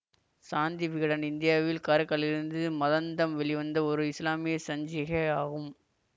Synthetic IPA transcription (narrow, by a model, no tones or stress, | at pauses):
saːnd̪iʋɪɣɐɽɐnɪnd̪ɪjaːʋɪlkaːɾɯkːɐɭɪɾɯnd̪ɯmɐðɐnd̪ɐmʋɛɭɪʋɐnd̪ɐɔɾɯɪslaːmɪjɐsɐɲd͡ʒɪɣɐaːɣɯm